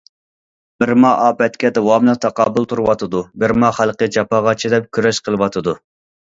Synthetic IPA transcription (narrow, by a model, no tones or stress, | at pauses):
bɪɾmɑɑːpɛt̪kʲɛd̪ɛwɑmlˠɨt̪ʰɑqɑːbʊlˠt̪ʰuɾɨwɑt̪ʰɨd̪ubɪɾmɑχælˠqəd͡ʒɑpɑʁɑt͡ʃʰid̪ɛp̚kʲʰyɾɛʃqʰəlˠɨwɑt̪ʰɨd̪u